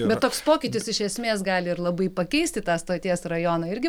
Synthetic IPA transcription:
bʲɛt̪t̪ːoːkspoːkʲɪt̪ʲɪsɪʃʲɛsʲmʲeːsɡɑːlʲɪɪɾlˠɐbɐɪpɐkʲɛɪsʲt̪ʲɪt̪ɑːst̪oːt̪ʲiɛsrɐjoːnɐɪɾʲɡʲɪ

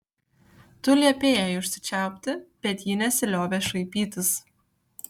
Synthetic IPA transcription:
t̪ʊlʲiɐpʲeːjæjʊʃʲsʲɪ̥t͡ʃʲæˑʊpʲt̪ʲɪb̥ʲɛt̪jiːnʲɛsʲɪlʲoːʋʲeːʃɐɪpʲiːt̪ʲɪs

